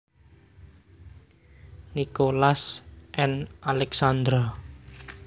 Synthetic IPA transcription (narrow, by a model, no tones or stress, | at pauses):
nikolasʔɛnalɛksand̪ɾɔ